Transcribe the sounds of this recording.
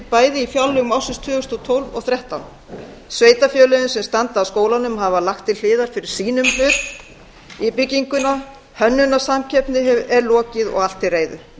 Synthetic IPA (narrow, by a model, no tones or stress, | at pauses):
paːjðɪifjawlːʏɣmawsʏnst̪ʰʏːʏst̪ɔt̪ʰowlvɔ̰ɣθɾjɛht̪awn | sveːjt̪afjœːlɛɣʏnsɛmst̪ant̪aːwskoːwlanʏmɦavalaxt̪ʰːɪll̥ɪːðaɾ̥fɪɾɪɾ̥siːnʏmfʏːt̪ | ipɪcːiŋkʏna | hœnːʏnasamcʰɛpnɪɛɾlɔːcɪðɔ̰ɣal̥t̪ɪreːjðʏ̰